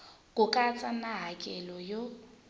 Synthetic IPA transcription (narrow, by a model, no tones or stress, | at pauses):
kʼʊkʼat͡sʼanaɦakʼɛlɔjo